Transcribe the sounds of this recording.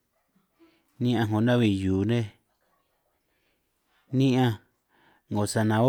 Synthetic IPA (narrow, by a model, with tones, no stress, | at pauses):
nĩ˦ʔã˧ŋõ˧˨nã˦βi˧juː˨nẽ˦ | nĩ˦ʔã˧ | ŋõ˨sa˧nã˨˧o˦